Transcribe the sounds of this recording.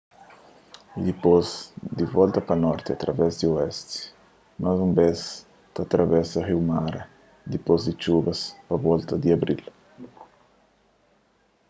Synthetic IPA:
d̪ipozd̪ivɔlt̪ɐpɐnɔɾt̪iat̪ɾavɛzd̪ioɛst̪ | mazumbɛs | t̪at̪ɾʔavɛsahiwmaɾ | d̪ipozd̪it͡ʃubɐspavɔlt̪ɐd̪iabɾil

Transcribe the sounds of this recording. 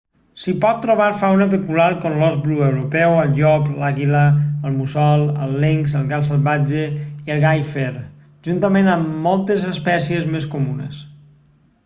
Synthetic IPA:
sipɔt̪ːɾoβaɾfawnəpəkulaɾkonlɔzbluəwɾupɛwəlˠʎɔplaɣiləəlˠmusɔlˠə̰lˠːeŋsəlˠɣalˠsəlˠβad͡ʒeiəlˠɣajfeɾ | ʒ̥unt̪əmenəmːɔlˠt̪əzəspɛsiəzmeskumunə̰s

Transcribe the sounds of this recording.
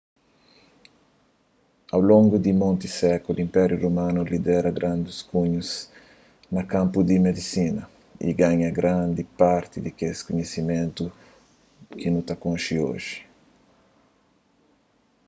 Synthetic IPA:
awlõŋɡud̪imõnt̪isɛkulĩmpɛɾjuromãnulid̪ɛɾɐɡɾʔãnd̪uskũɲus | nɐkãmpud̪imed̪isinɐ | ḭɡaɲɐɡɾãnd̪ipaɾt̪id̪ikeskuɲesimẽnt̪u | kinut̪akõnʃio̰ʒi̥

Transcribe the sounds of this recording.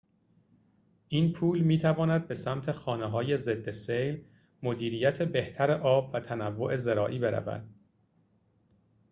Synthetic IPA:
ʔiːnpʰuːlmiːt̪ʰævɒːnæd̪̚be̞sæmt̪ʰe̞xɒːneɦɒːje̞ze̞d̪ːesejl | mo̞d̪iːɾiːjæt̪ʰebe̞ht̪ʰæɾe̞ʔɒːbvæt̪ʰænævːo̞ʔe̞zeɾɒːʔiːbe̞ɾæ̰væ̰d̪̥

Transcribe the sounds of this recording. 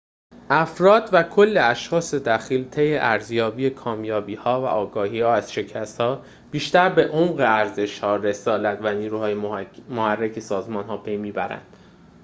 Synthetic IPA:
ʔæfɾɒːd̪̥vækʰolːe̞æʃxɒːse̞d̪æxiːlt̪ʰe̞jeʔæɾzjɒːbijekʰɒːmjɒːbiːhɒːvæ̰ʔɒːɡɒːhiːhɒːæz̥ʃe̞cʰæst̪hɒː | b̥iːʃt̪æɾbe̞ʔomɢe̞æɾze̞ʃhɒːɾe̞sɒːlæt̪ʰvæniːɾuːhɒːjemohærːecʰe̞sɒːzmɒːnɦɒːpʰe̞jmiːbæɾæ̰nd̪̥

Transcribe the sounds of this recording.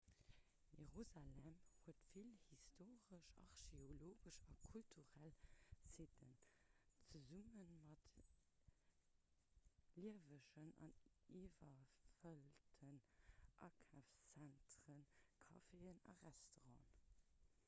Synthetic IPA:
jeʁuzalɛmhuətfilhistʰoːʁəʃɑ̰ʁʃeoloːɡəʃɑkʰultʰuʁælsitənt͡səzumənmɑt | liəvəʃənɑ̰nivɐfəltʰənʔɑ̰ːkʰæft͡sæntʁənkʰɑfeːənɑ̰ʁæstoʁɑ̃ːn

